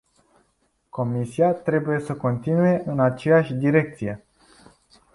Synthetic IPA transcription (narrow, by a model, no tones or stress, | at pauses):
ko̞misiat̪ɾe̞buje̞səko̞nt̪inuje̞ʔɨnat͡ʃe̞jaʃʲd̪iɾe̞k̚t̪sije̞